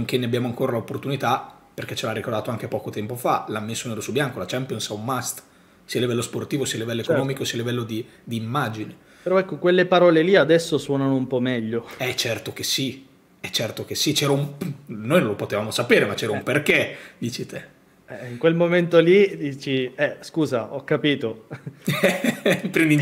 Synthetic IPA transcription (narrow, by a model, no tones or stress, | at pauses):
ŋk̟enːeabjaːmoaŋkoːɾalaopːort̪unit̪a | perk̟et͡ʃelarːikord̪aːt̪oaŋkepɔːkot̪ɛmpofalamːesːoneɾosubjaŋkolat͡ʃɛmpjonsawːast̪ | sialivɛlːosport̪iːvosiːalivɛlːoekonɔːmikosiːalivɛlːod̪i | d̪iːmːaːd͡ʒine | peɾɔɛkːokwelːepaɾɔːleliad̪ɛsːoswɔːnanoumpɔmɛʎːoɛt͡ʃːɛrt̪ok̟esi | ɛt͡ʃːɛrt̪ok̟esːit͡ʃɛːɾaumnojnõlopot̪evaːmosapeːɾemat͡ʃːɛːɾaumperked̪iːt͡ʃit̪e | ɛiŋkwelmoment̪olid̪iːt͡ʃiɛskuːzaʔɔkːapiːt̪o | pɾɛnd̪i